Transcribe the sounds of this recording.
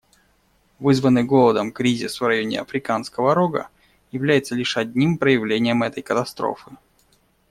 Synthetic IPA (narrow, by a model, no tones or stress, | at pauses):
vɨzvənːɨjɡo̞lˠəd̪əmkɾʲizʲɪsvrɐjo̞nʲɪ̰ɐ̰fɾʲɪkanskəvəɐɾoɡə̰ | jɪvlʲæjɪt̪səlʲiʂɐd̪̚ʲnʲimpɾəjɪvlʲenʲɪjəmɛt̪əjkət̪ɐst̪ɾo̰fɨ